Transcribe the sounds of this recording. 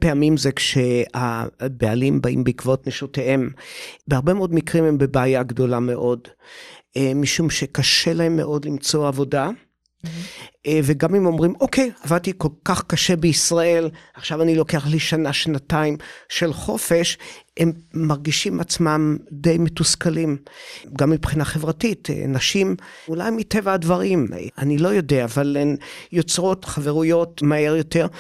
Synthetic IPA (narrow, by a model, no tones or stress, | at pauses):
peamimzekʃea̰bealimbaḭmbeikvotneʃotehe̞mbehaʁbe̞meodmikʁimembebaːjaɡdo̞lame̞ʔo̞d | emiʃumʃekaʃe̞lahe̞mːe̞̰ʔo̞dlimt͡so̞avo̞da | veɡamemo̞mʁimokʰe̞javad̚t̪iko̞lkaχkaʃe̞beisʁae̞laχʃavanilo̞keaχliʃanaʃnataimʃe̞lχo̞fe̞ʃemːaʁɡiʃimat͡smamdejmetuskalimɡamːipχinaχevʁatitḛnaʃimulajmite̞vaːdvaʁima̰nilo̞jo̞deaːvalemjo̞t͡sʁo̞tχave̞ʁujo̞tmae̞ʁjo̞te̞ʁ